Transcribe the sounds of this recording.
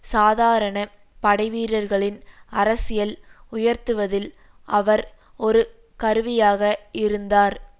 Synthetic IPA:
saːðaːɾɐɳɐ | pɐɽɐɪʋiːɾɐɾɣɐɭɪnɐɾɐsɪjɐlʊjɐɾt̪ɯʋɐðɪl | ɐʋɐɾ | ɔɾɯ | kɐɾɯʋɪjaːɣɐɪɾɯnd̪aːɾ

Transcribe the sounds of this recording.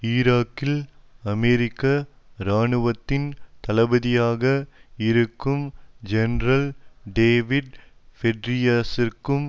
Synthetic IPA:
ɪɾaːkːɪlɐmeːɾɪkːɐ | ɾaːɳɯʋɐt̪ːɪnt̪ɐlɐbɐðɪjaːɣɐɪɾɯkːɯmd͡ʒɛnɾɐlɖeːʋɪɖfɛɖɾɪjasɪrkɯm

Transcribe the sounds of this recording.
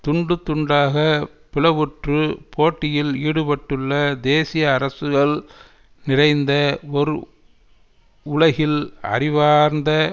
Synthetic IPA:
t̪ʊɳɖɯt̪ːʊɳɖaːɣɐpɪlɐʋɯʈrɯpʰoːʈːɪjɪliːɽɯpɐʈːɯɭːɐd̪eːsɪjɐːɾɐsɯɣɐɭ | nɪrɐɪnd̪ɐɔɾɯ | ʊlɐɣɪlɐ̰rɪʋaːɾnd̪ɐ

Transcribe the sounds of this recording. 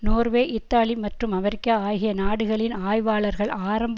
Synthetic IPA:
noːrʋeːʔɪt̪ːaːlimɐʈrɯmɐmɛɾɪkːaːaːjɣɪjɐnaːɽɯɣɐɭɪnaːjʋaːɭɐɾɣɐɭaːɾɐmb

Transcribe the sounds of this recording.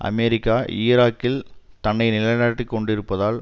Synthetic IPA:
ʔɐ̰mɛɾɪkːaːʔɪːɾaːkːɪl | t̪ɐɳːɐɪnɪlɐjaːʈːikːɔɳɖɪɾɯpːɐðaːl

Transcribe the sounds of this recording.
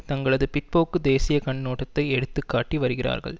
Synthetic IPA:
t̪ɐŋɡɐɭɐðɯpɪʈ̚poːkːɯd̪eːsɪjɐkɐɳnoːʈːɐt̪ːɐɪɛɽɯt̪ːɯkːaːʈːiʋɐɾɯɣɪra̰ːɾɣɐ̰ɭ

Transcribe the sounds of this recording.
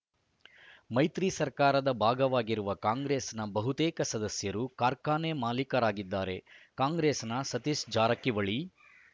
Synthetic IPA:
mɐjt̪ɾiːsɐɾkaːɾɐd̪ɐbʱaːɡɐʋaːɡiɾuʋɐkaːŋɡɾeːsnɐbɐɦut̪eːkɐsɐd̪ɐsjɐɾukaːɾkaːnemaːlikɐɾaːɡid̪ːaːɾe̞kaːŋɡɾeːsnɐsɐt̪isd͡ʒaːɾɐkːiʋɐɭi

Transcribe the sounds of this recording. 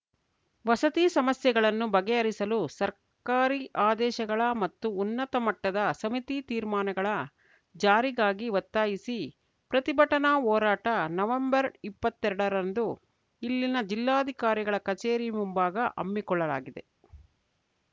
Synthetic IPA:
ʋɐsɐt̪iːsɐmɐsjɛɡɐɭɐnːubɐɡɛɐɾisɐlusɐɾ | kaːɾiʔaːd̪ɛːʃɐɡɐɭɐmɐt̪ːuːnːɐt̪ɐmɐʈːɐd̪ɐsɐmit̪it̪iːɾmaːnɐɡɐɭɐ | d͡ʒaːɾiɡaːɡiʋɐt̪ːaːjisi | pɾɐt̪ibɐʈɐnaɔːɾaːʈɐnɐʋɐmbɐɾipːɐt̪ːɛɾɐɽɐɾɐnd̪u | ilːinɐd͡ʒilːaːd̪ʱikaːɾiɡɐɭɐkɐt͡ʃeːɾimumbaːɡɐʔɐ̰mːikɔɭːɐla̰ːɡid̪e̞

